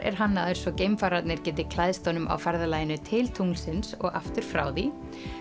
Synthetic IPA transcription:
ɛ̰ɾ̥ɦanːaðʏɾ̥svɔcejmfaːɾat̪nɛɾ̥cɛːt̪̬ɪkʰlaðst̪oːwnʏmʔa̰wfɛɾðalaːjɪnʏt̪ʰɪlt̪ʰuŋlsɪnsɔ̰ɣa̰ft̪ʏɾ̥fɾa̰ːwði

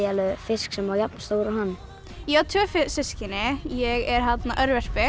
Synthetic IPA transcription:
ɛlʏfɪsksɛmaɾjap̪nast̪oːɾahanː | jaːt̪ʰøːfɪsɪskɪnɪjɛɣɛɾɦad̪naʔœɾvɛʃpɪ

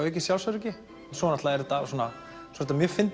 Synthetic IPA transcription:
ɛhc̬ːɪsjawlsœɾɛcɪ | nsɔnaht̪laɛɾɛt̪asɔːna | saɾɪt̪amjœfɪnt̪

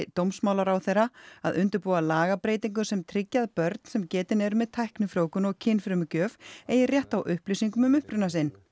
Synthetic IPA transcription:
t̪owmsmaːwlaɾawθejraaðʏnt̪ʏɾpuːwalaːɣapɾeːjt̪iŋk̬ʏsɛmt̪ʰɾɪcːaðpœɾt̪n̥sɛmcɛːt̪ɪnɛɾʏmɛðt̪ʰajhknʏfɾoːwkʏnɔɣcʰɪnfɾʏmʏcœːvɛːjɪrjɛht̪awʔʏhplisiŋkʏmʏmʏhpɾʏnasɪn

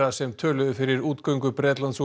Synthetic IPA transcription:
asɛmt̪ʰœːlʏðʏfɪɾɪɾuːt̪kœɥŋkʏpɾɛːt̪lansu

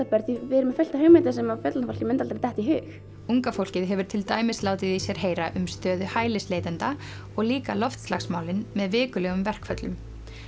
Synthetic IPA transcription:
apɛɾt̪ivɛɾɪmɛfɛl̥t̪ahœɣmɪnt̪asɛmafɛt̪lanafowl̥cɪmɪnt̪alaɾt̪ɛht̪iɦʏːx | uŋkafowl̥cɪðɦɛvʏɾ̥t̪ʰɪlt̪aːjmɪslaːwt̪ɪðisjɛɾ̥ɦeːjɾaʔʏmst̪œːðʏhaːjlɪsleːjt̪ɛnt̪a | ɔɣliːkalɔft̪slaxsmaːwlɪnmɛðvɪːkʏlɛɣʏmvɛr̥kfœt̪lʏm

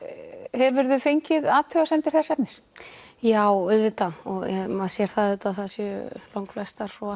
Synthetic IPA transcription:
hɛvʏɾðʏfejɲcɪðaːt̪ʰœɣasɛnt̪ɪɾ̥θɛsɛpnɪsjaːwʏðvɪt̪aɔɣɛmaðsjɛɾ̥θaðʏːt̪aðθaðsjʏlowŋkflɛst̪aɾ̥ɔa

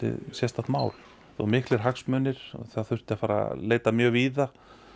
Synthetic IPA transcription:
ɪ̰sjɛst̪at̪maːwl | θo̰wmɪhklɪɾ̥ɦaksmœːnɪɾ̥ɔ̰θaaðθʏ̥t̪ɪafaːɾa̰leːjt̪amjœːɣviːða

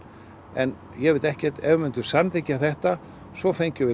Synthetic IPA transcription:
ɛn | jɛvɪɾt̪ɛhcɛr̥t̪ɛvʏmʏnt̪ʏ̥sanθecːaθɛht̪a | svɔfejɲcʏvɪ

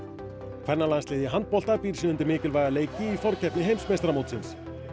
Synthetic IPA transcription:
kʰvɛɾnalanslɪːðjɪɦant̪̚pɔl̥t̪apiːɾ̥siːnʏnt̪ɪmɪːcɪlvajɣaleːjcɪːfɔɾ̥cʰɛpnɪɦejmsmejst̪ɾamowt̪sɪns

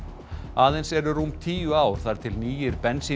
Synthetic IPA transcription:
aːðejnsɛɾʏrumt̪ʰiːjʏaːwɾ̥θaɾ̥t̪ʰɪlniːjɪɾpɛnsi

